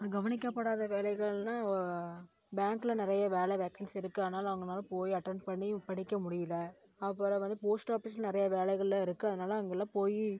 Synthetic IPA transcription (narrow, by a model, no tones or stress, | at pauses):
ðɯɡɐʋɐnɪk̬ːɐpːɐɽaːðɐʋeːlɛɪɣɐɭnaː | bjaːŋkɪlɐnɪɾɐjɐʋeːlɐɛʋɛkɐnsɪɾɯkːɯɐðɐnaːlɐʋɐŋɡɐnaːlɐpoːjiɐʈːɐnpɐɳːĩpɐɽɪkːɐmʊɽɪjɪlɐ | ɐpːɐɾɐʋɐnd̪ɯpoːsʈaːpɪt͡ʃlnɪɾɐjɐʋeːlɛɪɣɐɭɪlɐɪɾɯkːɯɐðɐnaːlɐɐŋɡɐɛlːãːpoːji